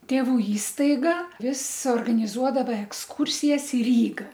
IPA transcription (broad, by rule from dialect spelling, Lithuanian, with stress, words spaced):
tʲeːˈʋuː ˈiːstɐɪɡɐ ˈʋʲɪs oːrɡɐnʲɪˈzuɔdɐʋɐ ɛksˈkuːrʲsʲɪjɛs ɪ ˈrʲiːɡɐ